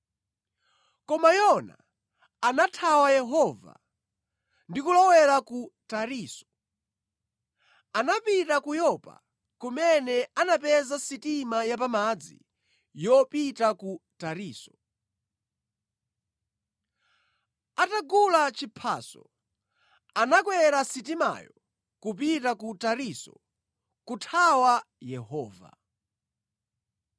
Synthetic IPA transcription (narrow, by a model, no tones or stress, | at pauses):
kɔmajɔna̰ | anatʰawajɛɦɔːva̰ | ndikulɔwɛɾakutaɾiːsɔ̥ | anapitakujɔpa̰ | kumɛnɛanapɛzasitimajapamad͡zḭ | jɔpitakutaɾiːsɔ̥ | ataɡulat͡ʃipʰa̰ːsɔ̰ | anakwɛɾasitima̰jɔ | kup̬itakutaɾisɔ̰ | kutʰawa | jɛhɔ̰ːva̰